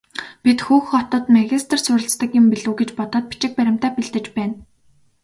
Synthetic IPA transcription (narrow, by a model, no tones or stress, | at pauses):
pit̪xuːxɔt̪ɔ̆ːt̪maɣʲist̪ʰə̆rsʊɾʲɪ̆ɬt͡st̪ə̆kɪ̆mpiɮŭːɡet͡ɕpɔt̪ɔːt̪̚pi̥t͡ɕɪ̆k̚pæɾʲɪ̆m̥t̪æːpiɮt̪ɘ̆t͡ɕpæːn